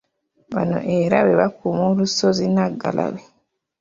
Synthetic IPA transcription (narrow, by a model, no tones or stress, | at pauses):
βano̰ʔeɾaβeβakumolusozinaɡːalʔa̰βe